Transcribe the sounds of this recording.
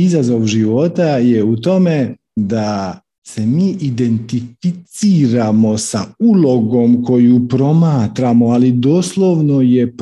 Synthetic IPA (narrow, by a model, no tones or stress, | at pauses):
izazo̞ʋʒiʋo̞t̪ajeut̪o̞me̞ | d̪a | se̞miːʔid̪e̞nt̪ifit̪siːɾamo̞sa̰ulo̞ɡo̞mko̞jupɾo̞maːt̪ɾamo̞alid̪o̞ːslˠoʋno̞je̞p